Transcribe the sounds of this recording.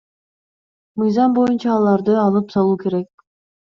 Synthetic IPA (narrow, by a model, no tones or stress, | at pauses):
mɯjzɑmbo̞junt͡ʃɑːlˠɑɾd̪ɯɑlˠɯpsɑlˠuːke̞ɾek̚